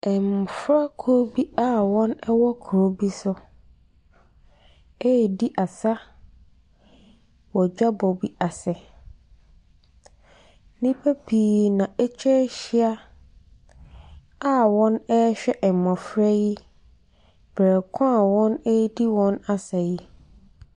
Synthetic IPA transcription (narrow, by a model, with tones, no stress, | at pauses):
ɛ˨m˨fɾa˦kʰu˨ɾo˦bi˦a˦˨wɔ̃˦nɛ˦wɔ˦kʰu˨ɾo˦bi˦sʊ˦ | e˦˨di˦ʔa˨sa˦ | wɔ˨d͡ʑᶣa˦bɔ˨bi˦a˨sɛ˨˦ | nĩ˦pʰɛ˦pʰiː˨nã˨ɛ˦t͡ɕʰᶣɛ˦ɕi˦a˦ | a˦wɔ̃˦nɛ˦ɕᶣɛ˦ʔɛ˨mɔ̃˨fɾɛ˦ji˦ | b̥ɛ˨kʰʊ̃˦a˨wɔ̃˦nɛ˦di˦wɔ̃˦na˦sa˨ji˦